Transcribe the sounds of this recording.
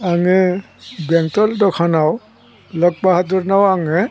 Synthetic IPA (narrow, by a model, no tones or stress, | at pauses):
aŋɛ | bɛŋtɔldɔkʰanaw | lɔk̚baɦatduɾnawaŋɛ